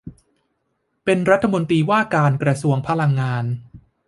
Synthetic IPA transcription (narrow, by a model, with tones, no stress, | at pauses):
pe˧nɾa˦˥t̪ʰːa˧mo˧nt̪iː˧waː˥˩kaː˧nkɾa˧su˧əŋpʰa˧la˧ŋːaː˧n